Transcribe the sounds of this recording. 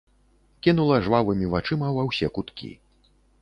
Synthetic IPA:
kʲinulˠɐʐvavɨmʲivat͡ʂɨmɐvɐwsʲɛkut̪kʲḭ

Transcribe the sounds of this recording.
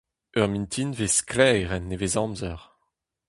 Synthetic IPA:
œʁmĩnt̪ʰinvesklɛjʁɛnːevezɑ̃mzœʁ

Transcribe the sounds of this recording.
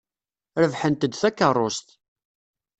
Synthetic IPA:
ɾəvħənt̪əd̪θækːərˤːost̪

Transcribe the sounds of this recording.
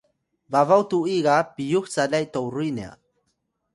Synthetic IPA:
vavawtuiɡapijuxt͡salajtowɾujnea̰

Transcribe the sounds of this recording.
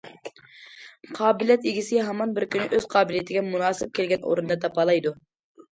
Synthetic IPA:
qʰɑːbɪlijɛt̪iɡʲisɪɦɑmɑnbɪɾkʲynɪʔøz̥qʰɑːbɪlijet̪ʰɪɡʲɛmunɑːsɪp̚kʲʰelɡʲɛno̰ɾɨnd̪ɑt̪ʰɑpɑlˠɑjd̪u

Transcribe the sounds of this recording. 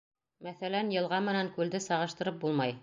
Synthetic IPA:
mæθælænjɤ̆lˠʁɑmɘ̆næŋkʉld̪ɘsɑʁɤ̆ʃt̪ɤ̆ɾɤp̚bulˠmɑj

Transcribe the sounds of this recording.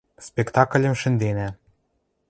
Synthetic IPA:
spekt̪ɑk̆lʲə̆mʃɘ̆nd̪enæ

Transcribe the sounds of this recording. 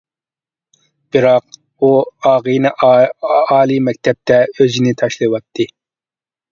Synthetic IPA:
b̥ɨɾɑq̚ | uɑːʁɨnɨ | ɑːlˠimɛk̚ʲt̪ʰɛp̚t̪ʰɛøzinɪt̪ʰɑʃlˠɨwɑt̪ʰːɨ

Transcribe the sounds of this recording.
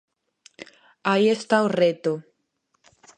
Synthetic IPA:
ajest̪awret̪o

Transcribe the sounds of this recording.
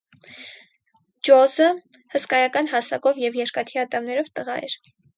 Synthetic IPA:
d͡ʒɔzə | həskɑjɑkɑnɦɑsɑkɔvjɛvjɛɾkɑt̪ʰiɑt̪ɑmnɛɾɔvt̪əʁɑ̰ɛ̰ɾ

